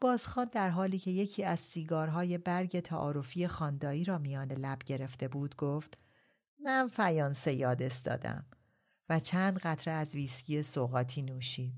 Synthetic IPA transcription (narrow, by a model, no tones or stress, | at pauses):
b̥ɒːzxɒːnd̪æɾɦɒːliːcʰe̞je̞cʰiːæzsiːɡɒːɾɦɒːje̞bæɾɟe̞t̪ʰæ̰ʔɒ̰ːɾo̞fije̞xɒːnd̪ɒːiːɾɒːmijɒːnelæbɟe̞ɾe̞ft̪e̞buːd̪ɡoft̪ | mænfæjɒːnse̞jɒːd̪e̞st̪ɒ̰ːd̪æ̰m | væt͡ʃʰæːnd̪ɣæt̪ʰɾeæzviːscʰiːjesoɣɒːt̪ʰiːnuːʃiːd̪̥